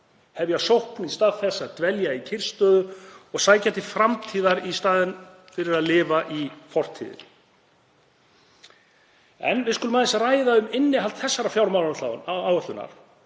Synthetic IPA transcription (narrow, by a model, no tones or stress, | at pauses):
hɛvjasowhknist̪aːðθɛsːaðt̪vɛljaicʰɪr̥st̪œːðʏɔɣsaːjcat̪ɪfɾamt̪ʰiːðaɾist̪aːðɪn | fɪɾɪɾaðlɪːvaʔifɔr̥t̪ʰḭðɪ̰n | ɛ̰nvɪðskʏlʏmaðɛsaraːjðaʏmɪnːɪɦalt̪θɛsːaɾafjawɾmawlant̪aawœht̪ʏnːa̰ɾ̥